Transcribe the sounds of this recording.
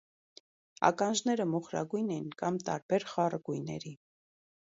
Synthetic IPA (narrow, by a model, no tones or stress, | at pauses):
ɑ̰kɑnʒnɛɾəmɔχɾɑ̰ɡujnɛjinkɑmt̪ɑɾbɛɾχɑrəɡujnɛ̰ɾi